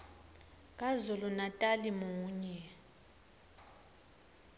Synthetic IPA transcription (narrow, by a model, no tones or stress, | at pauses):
kʼazulunatʼalimuːɲɛ